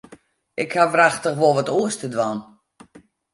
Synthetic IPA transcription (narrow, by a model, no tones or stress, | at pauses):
ʔɪkhaʋraxtəxʋolˠʋɔtuəstədʋan